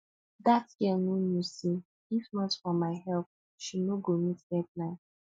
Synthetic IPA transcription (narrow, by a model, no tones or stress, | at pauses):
datɡɛnonusi | ifnɔtfɔmaɪɦɛlp̚ | ʃinoɡonitɡɛt̚nã